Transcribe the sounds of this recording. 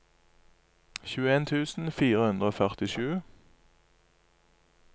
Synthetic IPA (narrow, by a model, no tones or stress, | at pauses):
çʉːəeːnt̪ʰʉːsn̩fiːʁəhʉnd̪ʁəoːfœʁt̪ɪʃʉː